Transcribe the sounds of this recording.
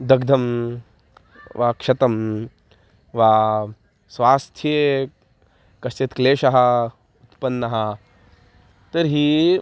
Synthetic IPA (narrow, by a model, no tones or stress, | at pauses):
d̪ɐɡd̪ʱɐm | ʋaːkʂɐt̪ɐm | ʋaː | sʋaːst̪ʰje | kɐst͡ʃet̪kleːʃɐɦɐ̆ | ut̪pɐnːɐɦɐ̆ | t̪ɐɾɦiː